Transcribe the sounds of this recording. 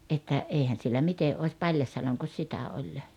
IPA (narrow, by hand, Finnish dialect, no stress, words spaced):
ʔetːæ eˑihæn̞ sielːæ mite oˑĭs pɑlʲjɑsjɑloŋkos sitæ olʲ